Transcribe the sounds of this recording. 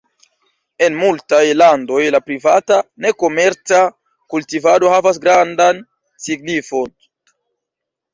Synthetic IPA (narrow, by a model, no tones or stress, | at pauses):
e̞nmultajlando̞jlapɾivatane̞ko̞meɾt͡sa | kultivado̞havas̬ɡɾandan | siɡnifo̞n